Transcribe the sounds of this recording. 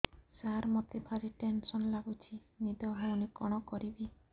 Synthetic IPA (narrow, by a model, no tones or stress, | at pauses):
saɾmɔt̪ipʰaɾiʈensɔnlaɡut͡ʃʰinid̪ɔɦaunikɔɽ̃ɔkɔɾibi